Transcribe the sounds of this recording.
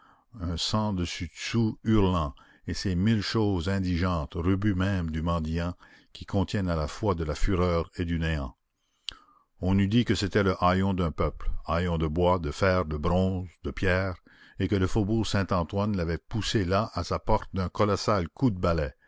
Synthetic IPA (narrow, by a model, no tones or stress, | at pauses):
œ̃sɑ̃d̪əsyd̪suyʁlɑ̃ | esemilʃoːzɛ̃d̪iʒɑ̃t̪ʁybymɛ̃md̪ymɑ̃d̪jɑ̃ | kʰʲikʰɔ̃t̪jɛnalafwad̪əlafyʁœːʁed̪yneɑ̃ | ɔ̃nyd̪ikəset̪ɛləʔajɔ̃d̪ɛ̃pœplajɔ̃d̪əbwad̪əfɛːʁd̪əbʁɔ̃ːzd̪əpjɛːʁ | ekələfobuːʁsɛ̃t̪ɑ̃t̪wanlavɛpuselaʔasapɔʁt̪̚d̪ɛ̃kɔlɔsalkʰud̪əbalɛ